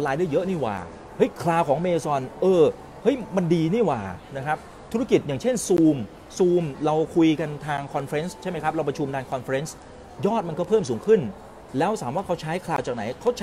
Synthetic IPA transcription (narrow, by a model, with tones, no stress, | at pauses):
laː˧jdaː˥˩jɤ˦˥ʔniː˥˩wa̰ː˨˩ | hɤ˦˥jkʰlaː˧wkʰɔː˩˦ŋmeː˧sɔ˧nʔɤː˧ | hɤ˦˥jma˧ndiː˧niː˥˩waː˨˩na˦˥kʰɾa˦˥p̚ | t̪ʰu˦˥a˥ki˨˩t̪̚jaː˨˩ŋt͡ɕʰe˥˩nsuː˧m | suː˧mɾa˧wkʰu˧jka˧nt̪ʰaː˧ŋkʰɔ˧nfe˦˥nst͡ɕʰa˥˩jma˦˥jkʰa˦˥p̚ɾa˧wpɾa˧t͡ɕʰu˧mdaː˧nkʰɔ˧nfe˦˥ns | jɔː˥˩t̪̚ma˧nkɔ˥˩pʰɤː˥˩msuː˩˦ŋkʰɯ˥˩n | lɛː˦˥wsaː˩˦mwaː˥˩kʰa˦˥wt͡ɕʰaː˦˥jkʰlaː˧wt͡ɕaː˨˩k̚na˩˦jkʰa˦˥wt͡ɕʰ